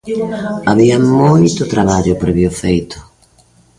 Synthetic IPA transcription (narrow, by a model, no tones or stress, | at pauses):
aβiamːojt̪ʊt̪ɾaβaʎʊpɾɛβjofejt̪ʰʊ̥